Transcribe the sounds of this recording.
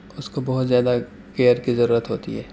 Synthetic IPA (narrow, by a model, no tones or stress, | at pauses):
ʊskobɐɦʊt̪zjaːd̪a | keːəɾkizɐɾuːɾət̪ɦoːt̪ḭɦɛː